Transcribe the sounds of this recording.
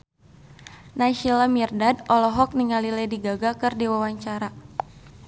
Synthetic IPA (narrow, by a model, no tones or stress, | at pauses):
naʃilamirdadɔlɔɦɔk̚niŋaliladiɡaɡakɨrdiwawaɲt͡ʃaɾa